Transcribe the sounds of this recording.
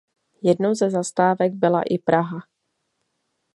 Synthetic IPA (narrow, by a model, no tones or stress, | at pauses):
jɛdnowzɛzast̪aːvɛɡ̚bɪla̰ʔɪpɾʔaɦa